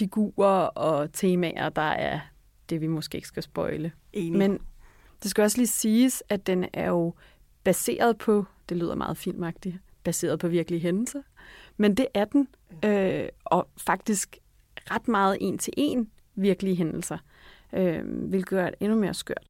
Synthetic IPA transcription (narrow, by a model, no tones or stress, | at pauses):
fiɡ̥ṵːɐɒ̽t͡sʰe̝ːmæʔɐd̥ɑ̈æɐ | d̥e̝ʋimosɡ̥e̝̰ːe̝ɡ̥sɡ̥æsb̥ɒ̽ɪlə | men | d̥e̝sɡ̥æɒ̽sliːsiːsæd̥enæɐjo̝ | b̥æse̝̰ːɐðˠpʰɒ̽d̥e̝ly̰ːð̞̰ˠɐmɑ̰̈ːð̩ˠfil̰mɑ̈ɡ̥d̥i | b̥æse̝̰ːɐð̞ˠpʰɒ̽ʋiɐɡ̥əliɦenl̩sɐmend̥e̝ʔæɐd̥en | øʔɒ̽fɑ̈ɡ̥̚d̥isɡ̥ | ʁɑd̥mɑ̈ːð̞̩ˠʔe̝̰nt͡sʰe̝ʔe̝̰n | ʋiɐɡ̥əliɦenl̩sɐ | ʔøʋelɡ̥ð̩ˠæɐɾʔe̝nume̝ːɐsɡ̥ø̰ɐ̰d̥